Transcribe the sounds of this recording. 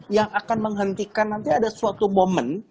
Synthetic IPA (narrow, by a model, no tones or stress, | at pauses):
jaŋakanməŋɦənt̪ikanːant̪iadasuat̪umomən